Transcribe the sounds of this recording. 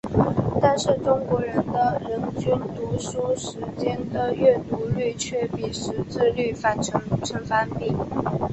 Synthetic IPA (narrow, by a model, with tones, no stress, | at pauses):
t̪a˥˧nʂɻ̩˥˩ʈ͡ʂʊ˥ŋkwɔ˧˥ɻə˧˥nd̪ə˧ɻə˧˥nt͡ɕy˥nt̪u˧˥ʂu˥ʂɻ̩˧˥t͡ɕjɛ˥nd̪ə˨ɥɛ˥˩t̪u˧˥ly˥˩t͡ɕʰɥɛ˥˧pi˥˩ʂɻ̩˧˥t͡sɹ̩˥˧ly˥˩fa˥˩nʈ͡ʂʰɤ˧˥ŋu˧˨˩ʈ͡ʂʰə˧˥ŋfa˥npi˥˩ŋ